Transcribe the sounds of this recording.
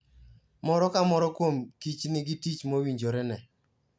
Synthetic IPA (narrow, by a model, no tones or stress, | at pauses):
mɔɾɔkamɔɾɔkwomkit͡ʃnɪɡitit͡ʃmowiɲd͡ʒoɾɛnɛ